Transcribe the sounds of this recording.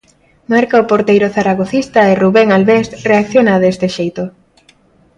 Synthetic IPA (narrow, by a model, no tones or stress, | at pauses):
maɾkaopoɾt̪ejɾoθaɾaɣ̞oθist̪aɪruβeŋalβest̪reakθjonaðest̪eʃejt̪o